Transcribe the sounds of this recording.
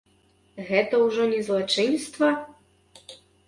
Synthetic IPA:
ɣɛt̪ɐwʐɔnʲɛzlˠat͡ʂɨnst̪vɐ

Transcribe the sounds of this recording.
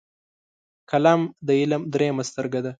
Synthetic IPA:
kʰalamd̪əɪlamd̪ɾemast̪əɾɡad̪a

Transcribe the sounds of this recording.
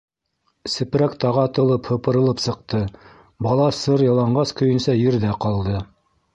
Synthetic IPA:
sɘ̆pɾækt̪ɑʁɑt̪ɤ̆lˠɤphɤ̆pɤ̆ɾɤ̆lˠɤpsɤ̆q̚t̪ɤ | bɑlˠɑsɤɾjɑ̆lˠɑɴɢɑskɵ̆jɵ̆nsæjɘ̆ɾðæqɑlˠd̪ɤ

